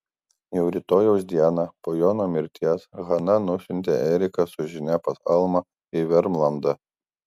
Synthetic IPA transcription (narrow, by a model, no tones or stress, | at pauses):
jɛʊɾʲiːt̪oːjoːsd̪ʲiɛnɑpoːjoːnoːmʲɪɾʲt̪ʲiɛsɣɐnɐnʊsʲʊnʲt̪ʲḛʔɛɾʲɪkɐsʊʒʲɪnʲɛpɐsɐlˠmɐ | ɪʋʲɛɾmlˠɐnd̪ɐ